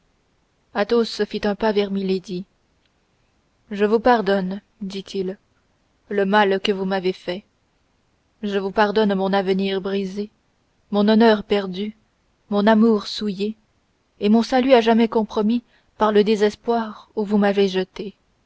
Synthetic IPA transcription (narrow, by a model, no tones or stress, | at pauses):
at̪osːəfit̪ɛ̃pavɛʁmiled̪i | ʒəvupaʁd̪ɔn | d̪it̪ʰil | ləmalkəvumavefɛ | ʒəvupaʁd̪ɔnmɔ̃navəniʁbʁize | mɔ̃nɔnœʁpɛʁd̪y | mɔ̃namuʁsujeː | mɔ̃salyaʒamɛkɔ̃pχɔmi | paʁləd̪ezɛspwaʁuvumaveʒət̪e